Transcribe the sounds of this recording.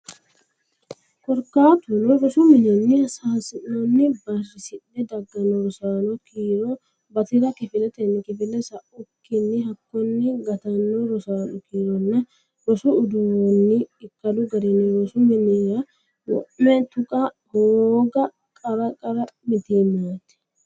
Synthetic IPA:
kɔɾkːaːt̪ʊnɔɾɔsʊmɪnɛnːɪɐsaːsɪnːɔnːɪbɐrɪsɪʔɛd̪ɐɡːɐnːoɾɔsaːnɔkiːɾo | bɐt̪ɪɾɐkɪfɪlɛt̪ɛnːɪkɪfɪlːɛsɐʔʊkːɪnːɪhɐkːɔnːɪɡɐt̪ɐnːɔɾɔsaːnʊkiːɾɔnːɐ | ɾɔsʊːd̪ʊwɔnːɪɪkːɐlʊɡɐɾenːɪɾɔsʊmɪnɛɾɐ | wɔ̰ʔmɛt̪ʊkʼɐ | hoːɡɐ | kʼɐɾɐkʼɐɾɐmɪt̪iːnaːt̪ɛ̥

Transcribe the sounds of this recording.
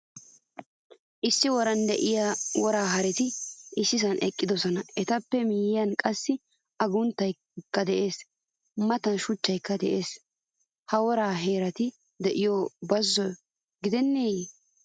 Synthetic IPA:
ʔɪsːɪwɔɾɐnd̪ɛʔɪjawɔɾaːɦɐɾɛt̪ɪɪsːɪs̬ɐnʔɛkʼːɪd̪ɔsɔnɐɛt̪ɐpːɛmɪjɪjɐnkʼɐsːɪ | ɐɡʊnt̪ːɐj | kːɐd̪ɛʔe̞ːs | mɐt̪ɐnʃʊt͡ʃːɐjkːɐd̪ɛʔeːs | hɐwɔɾaːɦe̞ːɾɐt̪ɪ | d̪ɛʔɪjɔbɐzːɔjɔ | ɡɪd̪ɛnːeːj

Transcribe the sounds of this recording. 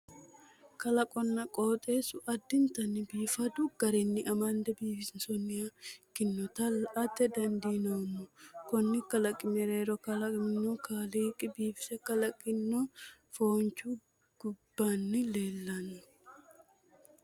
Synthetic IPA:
kɐlɐkʼɔnːɐkʼoːt̪ʼeːsʊʔɐd̪ːɪnt̪ɐnːɪbiːfɐd̪ʊɡ̥ɐɾɪnːɪʔɐmɐnd̪ɛbiːfɪsɪnsɔnːɪɐkːɪnːɔt̪ɐlɐt̪ːɛd̪ɐnd̪inoːnːʊkɔnːɪkɐlɐkʼːɪmɛɾeːɾɔkɐlɐnːɔkaːliːkʼːɪbiːfɪ̥sɛkɐlɐkʼːɪnːofoːnt͡ʃu | ɡ̥ʊbːanːɪle̞ːlːɐnːʊ

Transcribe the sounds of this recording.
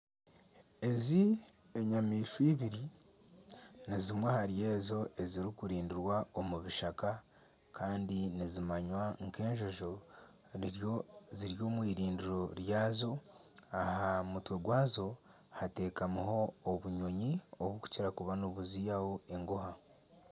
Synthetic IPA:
e̞zi | eɲamiːʃwiβiɾi | nizimwehaɾje̞ːzo̞e̞ziɾikuɾiːndiɾwaomuβiʃaka | kʰaːndinizimaɲwaŋke̞ːɲʒo̞ʒo | ɾioziɾjo̞ːmwiːɾiːndiɾo̞ɾjaːzo̞ahamutwe̞ɡwaːzo̞ | hate̞ːkamuho̞ːβuɲo̞ɲio̞βuku̥ciɾakuβanoβuzijaho̞e̞ŋɡoha

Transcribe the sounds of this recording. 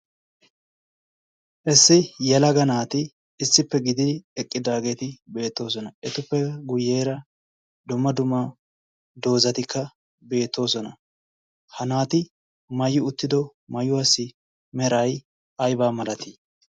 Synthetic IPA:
ʔɛsːɪjɛlɐɡɐnaːt̪ɪː | sːɪpːɛɡɪd̪ɪɛkʼːɪd̪aːɡe̞ːt̪ɪbe̞ːt̪ːo̞ːs̬ɔnɐʔɛt̪ʊpːɛɡʊje̞ːɾɐ | d̪ʊmːɐd̪ʊmːɐ | d̪o̞ːzɐt̪ɪkʰːɐ | be̞ːt̪ːo̞ːsɔnɐ | hɐnaːt̪ɪ | mɐjːɪʊt̪ːɪd̪ɔ | mɐjʊwasːɪ | mɛɾɐj | ʔɐjbaːmɐlɐt̪i

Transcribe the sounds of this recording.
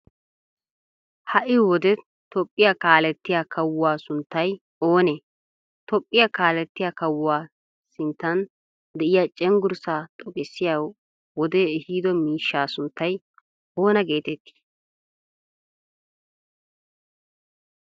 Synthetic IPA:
hɐʔɪwɔd̪ɛ | t̪ɔpʼːɪjakaːlɛt̪ːɪjakɐwʊwaːsʊnt̪ːɐj | oːne | t̪ɔpʼːɪjakaːlɛt̪ːɪjakɐwʊwaː | sɪnt̪ːɐn | d̪ɛʔɪjat͡ʃʼɛŋɡʊɾsaːt̪ʼɔkʼɪsːɪjaw | wɔd̪ɛɛhiːd̪ɔmiːʃːaːsʊnt̪ːɐj | o̞ːnɐɡe̞ːt̪ɛt̪ːi̥

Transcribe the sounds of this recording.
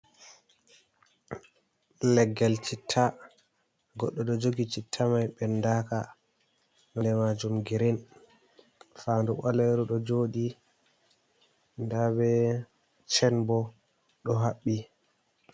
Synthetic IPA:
lɛɡːɛlt͡ʃitʰːa | ɡɔɗːɔɗɔd͡ʒoɡit͡ʃitʰːamajɓɛndaka | nɛndɛmad͡ʒumɡiɾin | fanduɓalɛɾɔɗɔd͡ʒoːɗi | ndabɛ | t͡ʃɛnbɔ | ɗɔɦaɓːi

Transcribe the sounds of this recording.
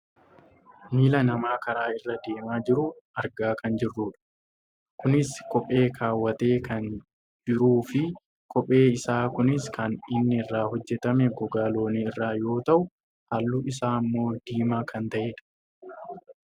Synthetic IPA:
miːlɐnɐmaːkɐɾaːɪrːɐd̪e̞ːmaːd͡ʒɪɾʊʔɐɾɡaːkɐnd͡ʒɪrːuːᶑɐ̥ | kʊnɪskɔpʼːe̞ːkʰaːwːɐt̪e̞ːkɐn | d͡ʒɪɾuːfɪ | kɔpʼːe̞ːɪsaːkʊnɪskɐnɪnːɪɪrːaːhɔd͡ʒːɛt̪ɐmɛɡɔɡaːlo̞ːniɪrːaːjo̞ːt̪ɐʔʊ | hɐlːuʔɪs̬aːɐmːo̞ːd̪iːmaːkʰɐnt̪ɐʔeːᶑɐ̥

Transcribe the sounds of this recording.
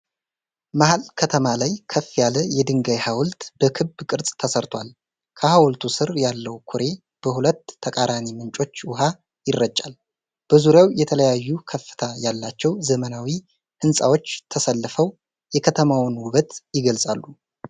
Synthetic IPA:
mahalkʰət̪ʰəmalajkʰəfːjaləjɛd̪ɨŋɡajhawlt̪b̥əkʰɨbkʼɨɾsʼt̪ʰəsəɾt̪ʰwal | kʰəhawlt̪ʰusɨɾjalːəwkʰuɾe | b̥əhulət̪ʰːəkʼaɾʔanimɨnt͡ʃʼo̞t͡ʃːwʊɦa | jɪrːət͡ʃʼːal | b̥əzuɾjawjɛt̪ʰələjajːukʰəfːɨ̥t̪ʰajalːat͡ʃːɛwzəmənawi | hɨnsʼa̰wo̞t͡ʃːt̪ʰəsəlːfəw | jɛkʰət̪ʰəmawnwʊβət̪jɪɡəlsʼa̰lːu

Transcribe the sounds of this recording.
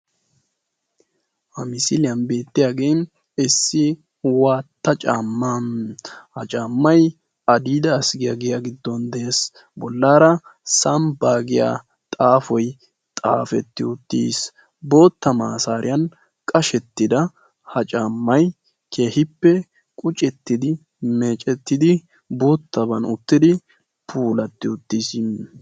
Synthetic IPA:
hɐmɪsɪlɪjɐnbe̞ːt̪ːɪjaːɡejn | ɪsːɪ | waːt̪ːɐt͡ʃʼaːmːanhɐt͡ʃʼaːmːɐj | ɐd̪iːd̪ɐːsɡɪjaɡɪjaɡɪd̪ːɔnd̪ɛeːs | bɔlːaːɾɐsɐmbaːɡɪja̰ː | t̪ʼaːfɔj | t̪ʼa̰ːfɛt̪ːɪʊt̪ːḭːs | bo̞ːt̪ːɐmaːsaːɾʔɪ̰jɐn | kʼɐʃɛt̪ːɪd̪ɐ | hɐt͡ʃʼaːmːɐj | kʰe̞ːhɪpːɛ | kʼʊt͡ʃʼɛt̪ːɪd̪ɪ | me̞ːt͡ʃʼɛt̪ːɪd̪ɪ | boːt̪ːɐbɐnʊt̪ːɪd̪ɪ | pʰuːlɐt̪ːɪʊt̪ːis

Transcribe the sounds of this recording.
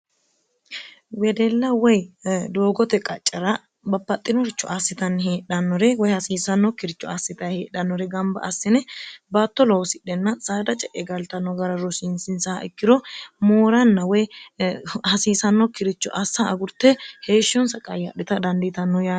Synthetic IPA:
wɛd̪ɛlːɐwɔjd̪oːɡɔt̪ɛkʼɐt͡ʃʼːɐɾɐ | bɐpːɐt̪ʼːɪnɔɾt͡ʃːɔʔasːɪt̪ɐnːheːɗɐnːɔɾɛwɔjhɐsiːsɐnːɔkɪɾɪt͡ʃːɔasːɪt̪ɐjheːɗɐnːɔɾɛɡɐmbɐ̰ʔɐsːɪnɛbaːt̪ːɔlɔwsɪɗːɛnːɐsʼaːd̪ɐt͡ʃʼɛʔɛɡɐlt̪ɐnːɔɡɐɾɐɾɔsɪnsɪnsɐhɐʔɪkːɪd̪ɔmoːɾɐnːɐwɔj | hɐsiːsɐnːɔkɪɾɪt͡ʃːɔ̰ʔɐsːɐɐɡʊɾt̪ːɛhe̞ːʃːɔnsɐkʼɐjɐɗɪt̪ɐd̪ɐnd̪ɪt̪ɐnːɔjaː

